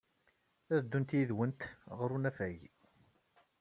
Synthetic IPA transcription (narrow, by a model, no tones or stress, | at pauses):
æðd̪ːunt̪jiðwənt̪ʁəɾunæfæj